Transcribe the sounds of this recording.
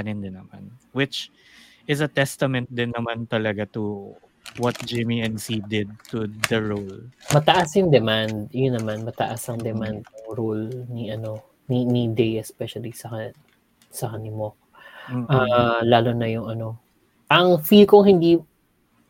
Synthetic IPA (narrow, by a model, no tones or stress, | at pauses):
ɐnɪnd̪ɪnːɐma̰nwɪt͡ʃ | ɪsɐt̪ɛst̪ɐmɛnt̪̚d̪ɪnːɐmant̪ɐlɐɡat̪u | wɔt̪̚d͡ʒɪmiɛ̃nsid̪ɪd̪̚t̪ʊd̪ɐɹolmɐt̪ɐʔasjʊŋd̪ɛmand̪̚jʊnːɐmanmɐt̪ɐ̰ʔasɐŋd̪ɛmand̪̚nʊŋɾolniʔɐno̞ | ninid̪ejɛspɛʃɐlisɐkɐ | sɐkɐnimok̚ | ʔalaːlonɐjʊŋʔɐno̞ | ʔɐŋfilkoŋhɪnd̪i